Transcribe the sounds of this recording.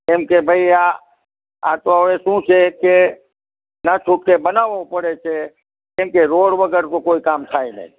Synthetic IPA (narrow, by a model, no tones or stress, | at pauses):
emkebʱəia | a̰t̪oəʋesũt͡ʃʰeke | nat͡ʃʰʊʈ̚kebənaːʋopəɽet͡ʃʰe | ẽmkeɾoːɽbəɡəɾkokoːikaːmt̪ʰaːinə̰ĩ